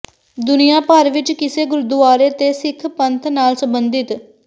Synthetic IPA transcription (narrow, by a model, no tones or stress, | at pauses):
d̪ʊnijaːpaːɾʋɪt͡ʃkɪseːɡʊɾʊd̪ʊaːɾeːt̪esɪkʰpə̃nt̪ʰnaːlsə̃mbənd̪ɪt̪